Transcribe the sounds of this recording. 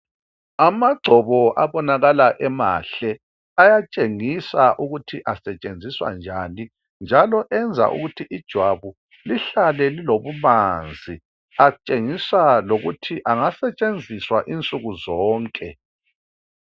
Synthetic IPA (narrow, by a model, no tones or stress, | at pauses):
amaɡ͡ǀʱɔβɔʔa̰βɔnaɣalaʔɛma̰ɬɛ | ajat͡ʃʼeŋisaʔuɣutʰiʔasɛt͡ʃʼend͡zʱiswa̰nd͡ʒʱani | nd͡ʒʱalɔʔɛnd͡zʱa̰ʔṵɣutʰiʔid̥ʒ̥ʱwaβu | liɬalɛliloβumand͡zʱi | at͡ʃʼeŋisaloɣutʰiʔaŋasɛt͡ʃʼend͡zʱiswaʔint͡sʼuɣuzɔːŋkʼɛ̰